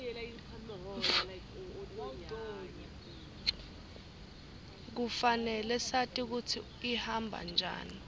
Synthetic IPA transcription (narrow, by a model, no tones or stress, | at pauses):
li | k̬ufanɛlɛsatʼik̬utʰi | ihambʱa̰nd͡ʒʱa̰ːni